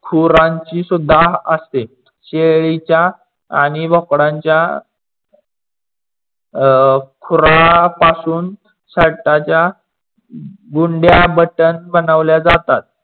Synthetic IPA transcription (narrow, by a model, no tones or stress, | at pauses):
kʰuɾãɲt͡ɕiːsud̪ʱːaɦəst̪e | ɕeɭit͡ɕja | a̰ñiʋɔkɽãɲt͡ɕja | kʰuɾapasuːn | səɽʈ̪at͡ɕja | ɡuɳɖjabəʈənbənaʋljad͡zat̪at̪̚